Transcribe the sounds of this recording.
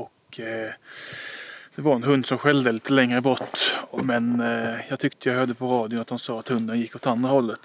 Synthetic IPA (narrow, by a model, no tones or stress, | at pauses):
ɔk | d̪̥ɛvaɾɛnɦɵnd̪sɔmɧɛld̪əliːt̪əlɛŋːɾəbɔt̪ːmɛnjɑːɡt̪ʰʏkt̪ʰəjɑɡhœːd̪əpʰɔɾɑːd̪ɪʊnat̪hansɑːat̪hɵnd̪ənjɪkːɔt̪ːand̪ɾahɔlːət̪